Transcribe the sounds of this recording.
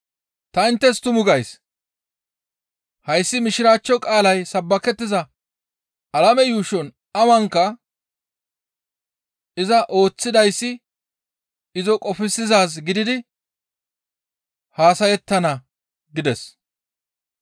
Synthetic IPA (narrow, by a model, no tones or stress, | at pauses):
t̪ɐɪnt̪ːɛst̪ʊmʊɡɐjs | hɐjsːɪmɪʃɪɾaːt͡ʃːɔkʼaːlɐjsɐbːɐkɛt̪ːɪzɐ | ɐlɐmɛjuːʃɔn | ɐwɐŋkːɐ | ɪzɐʔo̞ːt͡sːɪd̪ɐjsːɪ | ɪzɔkʼɔfɪsɪzaːs̬ɡɪd̪ɪd̪ɪ | haːsɐjɛt̪ːɐnɐ | ɡɪd̪ɛs